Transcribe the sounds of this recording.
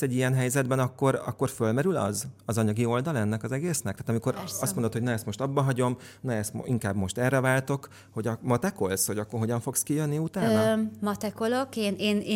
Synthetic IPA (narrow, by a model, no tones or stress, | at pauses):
sɛɟːijɛnɦɛjzɛd̪bɛnɒkːo̞ɾɒ̰kːo̞rfølmɛɾylɒ̰zɒzɒɲɒɡio̞ld̪ɒlɒɛnːɛkɒzɛɡeːsnɛkt̪aːt̪ɒmiko̞ɾɒst̪mond̪ot̪honɒɛst̪mo̞ʃt̪ɒbːɒɦɒɟo̞mnɒɛst̪iŋkaːbmo̞ʃt̪ɛrːɛvaːlt̪o̞k | ho̞ɟɒmɒt̪ɛko̞lsho̞ɟɒkːorɦo̞ɟɒɱfo̞kskijønːiut̪aːnmɒt̪ɛkolokeːneːnː